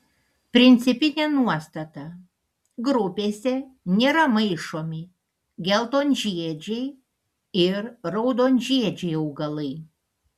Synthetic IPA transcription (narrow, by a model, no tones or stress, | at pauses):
pʲɾʲɪnʲt̪sʲɪpʲɪnʲɛːnuɔst̪ɐt̪ɐ | ɡɾʊpʲeːsʲɛnʲeːɾɐmɐɪʃoːmʲɪ | ɡʲɛlˠt̪oːnʲʒʲiɛd͡ʒʲɛɪ | ɪɾɾɐʊd̪oːnʲʒʲiɛd͡ʒʲɛɪɐʊɡɐlˠɐɪ